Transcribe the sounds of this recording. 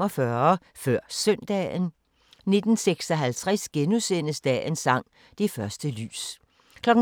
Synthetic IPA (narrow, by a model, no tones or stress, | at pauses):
ɒfɶɐ | fɶɐ̰sœn̰d̥ɛ̰n | ne̝d̥n̩seɡ̥sɒ̽ɦælt͡sʰʁasɡ̥enusen̰əsd̥ɛ̰ːnsɑ̈ŋ̰ | d̥e̝fɶɐsd̥əly̰ːs | kʰlɒ̽ɡ̥̩